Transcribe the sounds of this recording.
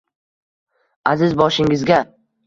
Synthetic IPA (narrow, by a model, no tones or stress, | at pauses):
azɪzbɒʃɪŋɪzɡʲa